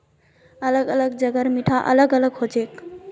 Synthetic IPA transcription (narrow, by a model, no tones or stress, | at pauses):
ələɡələɡd͡ʒəɡəɾmiʈʰaʔə̰ləɡələɡɦod͡ʒek